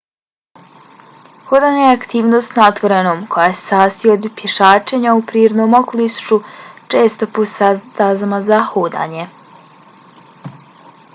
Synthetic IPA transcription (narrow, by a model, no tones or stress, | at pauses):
hoːd̪aɲajeakt̪iːʋnoːst̪not̪ʋoɾenoːmkʰo̞jase̥saːst̪iood̪pjeʃaːt͡ʃeɲaupɾiːɾod̪no̞ːmokolist͡ʃut͡ʃe̞ːst̪oposad̪azamazahoːd̪a̰ɲe̞